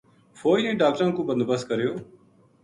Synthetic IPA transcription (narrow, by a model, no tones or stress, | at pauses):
fʰoːiẽːɖaːk̚ʈɾãːkũːbənd̪bəskəɾjoː